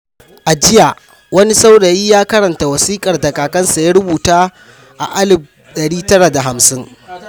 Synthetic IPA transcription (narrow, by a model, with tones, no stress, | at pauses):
ʔa˨d͡ʒɪ˦ja˨ | wɐ˦ni˦sa˦wɽɐː˨jiː˦jaː˦kɐ˦ɾɐ˨nta˨wɐ˨siː˦kʼɐ˨rdɐ˨kaː˨kɐ˦nsa˨ja˦ɽʊ˦buː˨taː˦ | ʔa̰˨ʔa˦lɪ˨b̚ | ɗɐ˨ɽiː˦tɐ˦ɾa˨da˨ɦa˨msɪ˦ŋ